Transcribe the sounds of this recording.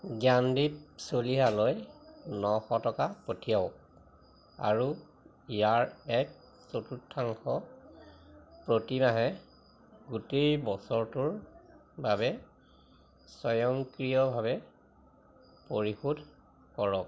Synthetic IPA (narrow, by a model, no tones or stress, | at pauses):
ɡjandipsoliɦalojnɔxɔtɔkapotʰijaʊk̚ | a̰ɹu | ijaɹɛk̚ | sotutʰːaŋxɔ | pɹotimaɦɛ | ɡutejbɔsɔɹtʊɹbabɛ | sɔjɔŋkɹijɔbʱaβɛ | poɹixudʱ | kɔɹɔk̚